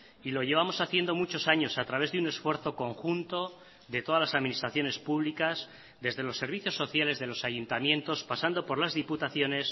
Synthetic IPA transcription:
ilo̞ʝe̞β̞amo̞saθje̞nd̪o̞mut͡ʃo̞saɲo̞sat̪ɾaβe̞zðeune̞sfwe̞ɾθo̞ko̞ŋxunt̪o̞ | ðe̞t̪o̞ðalasaðminist̪ɾaθjo̞ne̞spuβlikaz | ðe̞zðe̞lo̞sːe̞ɾβ̞iθjo̞sːo̞θjale̞zðe̞lo̞saʝunt̪amjẽ̞nt̪o̞spasand̪o̞po̞ɾlazðiput̪aθjo̞ne̞s

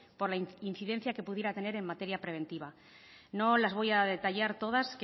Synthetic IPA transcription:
po̞ɾlainθiðe̞n̟θjake̞puðjeɾat̪e̞ne̞ɾe̞mmat̪e̞ɾjapɾe̞β̞e̞nt̪iβ̞a | no̞lazβ̞o̞jaðe̞t̪aʎaɾt̪o̞ðask

